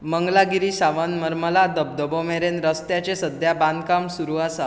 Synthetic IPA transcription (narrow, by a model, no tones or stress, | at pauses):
məŋɡlaɡiɾiːsaʋənməɾməlad̪əb̚d̪əbomeɾenɾəst̪jat͡ɕesəd̪ʱjabãnd̪kamsuɾuasa